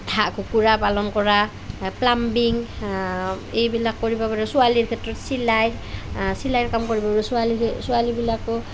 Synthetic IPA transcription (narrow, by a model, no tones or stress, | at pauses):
tʰaʔkukuɹapalɔnkɔɹa | plambiŋ | ejbilakːɔɹibabaɹɔsualiɹkʰɛtɹɔtsilajɹ | silajɹkamkɔɹibaɹɔsualisualibilakɔ